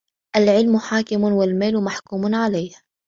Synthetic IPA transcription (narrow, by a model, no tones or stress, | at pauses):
ʔalʕɪlmʊħaːkɪmʊnwɪlmaːlmaħkuːmʊnʕalajha